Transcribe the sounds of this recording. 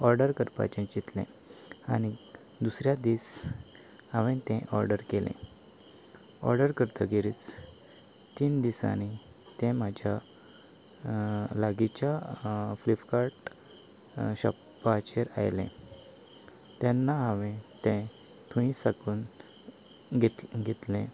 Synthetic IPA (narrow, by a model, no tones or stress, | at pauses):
ɔɾɖəɾkəɾpa̰t͡ɕẽt͡ɕit̪lḛ̃ | ani | d̪usɾjad̪iːs | haʋẽt̪ɛ̃ʔɔɾɖəɾkelḛ̃ | ɔ̰ɾɖəɾkəɾt̪ʰəɡiɾit͡s | t̪iːnd̪isa̰ñi | t̪ɛ̃mad͡ʑʱja | laɡit͡ɕjaflifkaɾʈ | ɕɔ̰pː | at͡ɕeɾa̰jlḛ̃ | t̪ɛnːaɦə̃ʋẽt̪ẽ | t̪ʰũĩsakuːn | ɡeɡʱet̪lẽ